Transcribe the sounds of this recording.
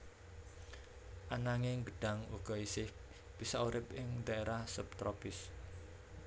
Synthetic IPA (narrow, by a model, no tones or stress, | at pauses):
ʔanaŋɪŋɡəɖ̥a̤ŋwuɡ̥ɔ̤isɪh | b̥isɔuɾɪpʔɪŋd̪aeɾahsup̚t̪ɾɔpɪs